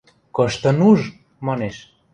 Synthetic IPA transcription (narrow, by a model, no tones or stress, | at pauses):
kɤ̆ʃt̪ə̆nuʒ | mɑneʃ